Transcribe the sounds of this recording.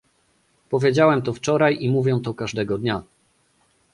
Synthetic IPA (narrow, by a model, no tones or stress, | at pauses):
pɔvʲjed͡ʑawɛmt̪ɔft͡ʂɔɾajimuvʲjɛ̃w̃t̪ɔkaʐd̪ɛɡɔd̪ɲa